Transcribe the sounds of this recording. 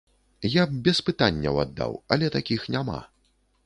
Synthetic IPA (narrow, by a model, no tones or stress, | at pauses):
jab̚bʲɛspɨt̪anʲːɐwa̰d̪ːa̰wɐlʲɛt̪akʲixnʲama̰